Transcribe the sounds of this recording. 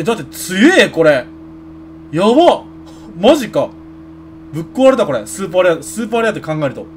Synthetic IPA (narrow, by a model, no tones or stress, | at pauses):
ed̪at̪ːet͡sɨɡeko̞ɾe̞ | jaβa | maʑika | bɯ̟kːoːaɾɯt̪ako̞ɾesɨːp̬aːɾeasɨːp̬aːɾejat̪ːekãŋɡaeɾɯ̟t̪o